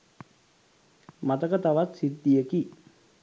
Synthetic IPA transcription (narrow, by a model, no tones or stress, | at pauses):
mat̪əkət̪aʋat̪sit̪ːijəki